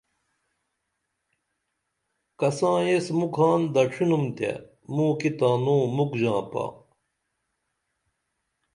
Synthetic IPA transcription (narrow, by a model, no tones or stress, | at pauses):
kɐsãːesmukʰaːnd̪ɐʈ͡ʂʰinumt̪ḛ | muːkit̪aːnõːmukʑãːpa̰ː